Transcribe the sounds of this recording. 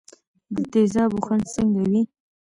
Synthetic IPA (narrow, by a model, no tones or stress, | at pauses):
d̪ət̪ezɑbuxansəŋɡawi